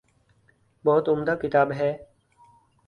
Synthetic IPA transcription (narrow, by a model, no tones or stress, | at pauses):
bɔːt̪ʊmd̪aːkɪt̪aːbɦɛː